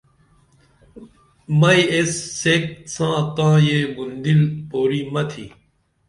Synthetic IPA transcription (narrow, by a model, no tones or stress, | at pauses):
mɐiesːeːk̪̚sãːt̪ãːjeːbund̪ilpoːɾiːmɐt̪ʰḭː